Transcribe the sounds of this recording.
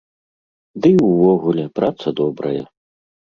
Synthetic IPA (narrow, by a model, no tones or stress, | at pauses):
d̪ɨwvɔɣulʲɛpɾʔat̪sɐd̪ɔbɾɐ̰jɐ